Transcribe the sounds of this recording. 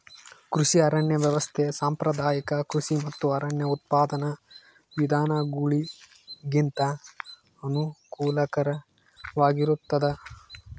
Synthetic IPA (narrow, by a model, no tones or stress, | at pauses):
kɾuʃiɐɾɐɳjɐʋjɐʋɐst̪ʰesaːmpɾɐd̪ʱaːjikɐkɾuʃimɐt̪ːuɐɾɐɳjɐut̪̚paːd̪ɐnɐ | ʋid̪ʱaːnɐɡuɭi | ɡint̪ɐ | ɐnukuːlɐkɐɾɐ | ʋaːɡiɾut̪ːɐd̪ɐ